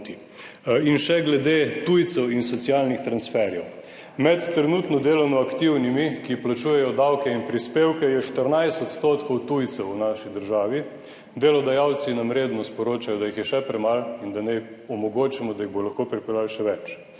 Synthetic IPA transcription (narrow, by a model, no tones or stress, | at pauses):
t̪i | inʃɛɡlɛd̪et̪ujt̪sɛwinsɔt̪sjaːlnixt̪ɾansfɛɾjɛw | mɛt̪ːɾɛnuːt̪nɔd̪eːlɔnɔakt̪iwnimikiplat͡ʃuːjɛjɔd̪awkɛinpɾispeːwkɛjɛʃt̪əɾnajst̪ɔt̪st̪oːt̪kɔwt̪ujt̪sɛwunaʃid̪əɾʒaːʋi | d̪elɔd̪ajawt̪sinamɾeːd̪nɔspɔɾoːt͡ʃajɔd̪ajixjɛʃɛpɾɛmalind̪anɛ | ɔmɔɡoːt͡ʃimɔd̪ajiɣbolaxkopɾipɛlalʃɛʋɛt͡ʃ